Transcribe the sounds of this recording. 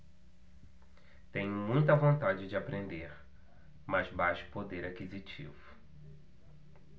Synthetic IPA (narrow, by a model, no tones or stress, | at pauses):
t̪ẽɲʊmũj̃t̪ɐvõnt̪ad͡ʒɪd͡ʒɪapɾʔẽnd̪eɾ | mɐzbaʃʊ̥pod̪eɾakizit͡ʃḭvʊ